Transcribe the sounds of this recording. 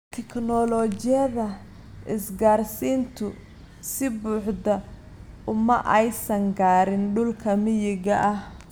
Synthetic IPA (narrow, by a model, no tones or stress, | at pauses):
t̪ʰɛkʰnɔlɔt͡ʃɪjɐðɐ | ʔɪsɡaːrsiːnt̪ʰʊ | sɪbuːħdɐ | ʊmɐʔɛjsɐŋɡaːɾɪnɖʊlkʰɐmɪjɪɣɐʔɐh